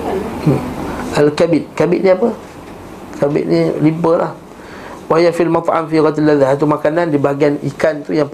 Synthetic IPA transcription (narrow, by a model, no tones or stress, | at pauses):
ʔalkabɪt̪̚kabɪ̰ʔ̪̚niapə | kabɪ̰t̪̚nilipəlʔa̰h | wajafilmat̪ˤʔa̰mfiɣat̪alːaðaat̪̬umakanandibaɡianḭkant̪ujaŋ